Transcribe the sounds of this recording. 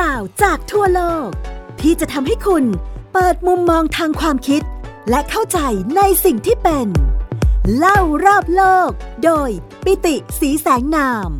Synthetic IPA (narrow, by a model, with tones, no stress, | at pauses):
klaː˨˩wt͡ɕaː˨˩k̚t̪ʰu˥˩ɐloː˥˩k̚t̪ʰiː˥˩t͡ɕa˨˩ʔt̪ʰa˧mɦa˥˩jkʰu˧npɤː˨˩t̪̚mu˧mːɔː˧ŋt̪ʰaː˧ŋkʰwaː˧mkʰi˦˥t̪̚lɛ˦˥kʰa˥˩wt͡ɕa˧jna˧jsi˨˩ŋt̪ʰiː˥˩pe˧n | la˥˩wɾɔː˥˩p̚loː˥˩k̚doː˧j | pi˧˥t̪i˨˩siː˩˦sɛː˩˦ŋnaː˧m